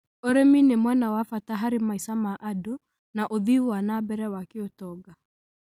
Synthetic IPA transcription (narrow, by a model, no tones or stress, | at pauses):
oɾeminemwɛnawafataɦaɾimaisamaʔado | naʔoðiuwanabɛɾɛwakiotɔɡa